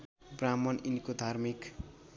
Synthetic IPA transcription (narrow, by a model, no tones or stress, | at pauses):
bramʌninkod̪ʱarmik